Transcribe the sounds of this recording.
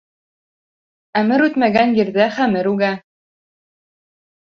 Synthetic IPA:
æmɘɾʉt̪mæɡænjɘ̆ɾðæχæmɘɾʉɡæ

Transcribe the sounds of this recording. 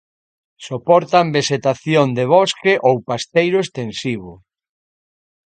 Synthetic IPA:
sopɔɾt̪ambeʃet̪aθjond̪eβɔskeʔowpast̪ejɾʊest̪ensiβ̞ʊ

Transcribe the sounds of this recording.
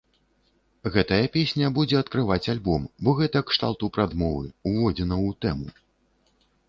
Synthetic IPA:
ɣɛt̪ɐjɐpʲesʲnʲɐbud͡zʲɛɐt̪kɾɨvat͡sʲalʲbɔmbɔɣɛt̪ɐkʂt̪a̰lˠt̪upɾad̪mɔvɨuvɔd͡zʲɛnɐwt̪ɛmu

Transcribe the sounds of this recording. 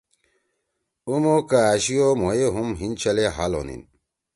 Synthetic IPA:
umokaːɕiomojeɦumɦint͡ɕɐleɦalo̰nḭn

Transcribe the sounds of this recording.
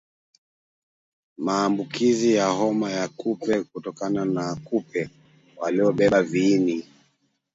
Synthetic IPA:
maːmbukizijaɦɔmajakupɛkutɔkananakupɛ | waliɔɓɛɓaviːni

